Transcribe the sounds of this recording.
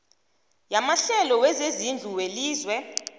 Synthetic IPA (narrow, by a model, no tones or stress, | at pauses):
jamaɬɛlɔwɛzezind͡ɮʱuweliːzwɛ